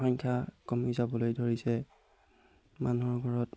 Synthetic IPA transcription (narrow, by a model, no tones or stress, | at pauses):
xɔŋkʰakɔmizabɔlojdʱoɹisɛ | manuɔɹɡʱɔɹɔt